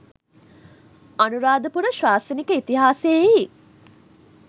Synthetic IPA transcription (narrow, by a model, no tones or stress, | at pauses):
anuɾaːd̪əpuɾəʃʋaːsənikəit̪iɦaːsei